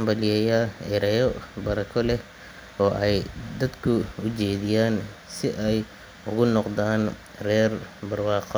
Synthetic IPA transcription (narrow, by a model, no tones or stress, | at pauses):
mbɐlɪjɛːjaʔɪɾɐjɔbɐɾɐkʰɔlɛ | ɔːʔɛjd̪ɐd̪kʰʊʊt͡ʃɛːðɪjaːnsɪʔɛj | ʊɣʊnɔqðaːn | rɛːrbɐrwɑːqɔ